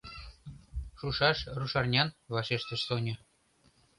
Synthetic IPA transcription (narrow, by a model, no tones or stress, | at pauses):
ʃuʃɑʃruʃɑrnʲɑnβɑʃeʃt̪ĕʃsonʲɤ̆